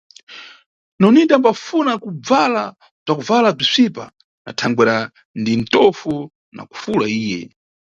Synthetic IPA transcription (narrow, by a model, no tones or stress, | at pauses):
nɔnidambafunakub͡vala | b͡ʐakuvalab͡ʐisʷipa̰ | na̰tʰaŋɡwɛɾa | ndin̩tɔfu | na̰ku̥fulaiːjɛ̰